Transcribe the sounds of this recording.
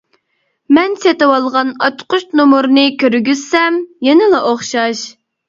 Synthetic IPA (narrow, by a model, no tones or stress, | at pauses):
mɛnset̪ɨwɑlˠʁɑnɑt͡ʃqʊʃnomuɾnɨkʲʰøɾɡʲyzsɛmjɛnɪlˠɑʔoχʃɑʃ